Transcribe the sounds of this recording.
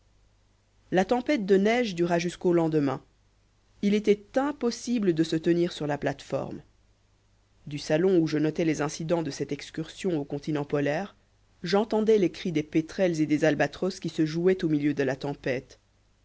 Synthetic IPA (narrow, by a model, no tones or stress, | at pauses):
lat̪ɑ̃pɛt̪̚d̪ənɛʒd̪yʁaʒyskolɑ̃d̪əmɛ̰̃ | ilet̪ɛt̪ɛ̃pɔsibləd̪əsət̪əniʁsyʁlaplat̪fɔ̰ʁm | d̪ysalɔ̃uʒənɔt̪ɛlezɛ̃sid̪ɑ̃d̪əsɛt̪ɛkskʲyʁsjɔ̃okɔ̃t̪inɑ̃pɔlɛːʁ | ʒɑ̃t̪ɑ̃d̪ɛlekχid̪epet̪χɛlzed̪ezalbat̪χɔskʲisəʒuɛt̪omiljød̪əlat̪ɑ̃pɛt̪